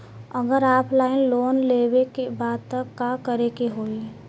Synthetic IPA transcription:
əɡəɾaːplaːɪnloːnleːwekebaːd̪̚t̪əkːakəɾekeɦoːi

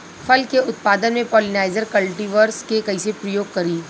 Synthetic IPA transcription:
fɐlkeʊt̪̚paːd̪ənmẽpɔːlɪnaːɪzəɾkɐlʈiʋəɾskekɐisepɾɐjoːɡ̚kɐɾiː

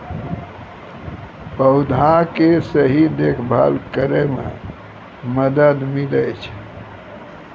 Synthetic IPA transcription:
pəʊd̪ʱakesəɦid̪ekʰbʱa̰lkəɾemḛ̃ | məd̪əd̪milət͡ʃʰ

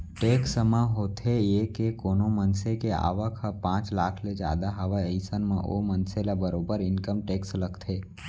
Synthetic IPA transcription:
ʈeːksmãɦot̪ʰejekekoːnomənsekea̰ːʋəkʰəpãːt͡ʃlaːkʰled͡ʒa̰ːd̪aɦəʋaəɪsənmã̰ʔo̰mənselabəɾoːbəɾɪnkəmʈeːksləɡt̪ʰe

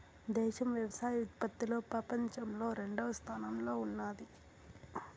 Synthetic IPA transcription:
d̪ɛːʃɐmʋjɐʋɐsaːjut̪pɐt̪ːilo̞ːpɾɐpɐɲt͡ʃɐmlo̞ːɾe̞ɳɖɐʋɐst̪ʰaːnɐmlo̞ːunːaːd̪i

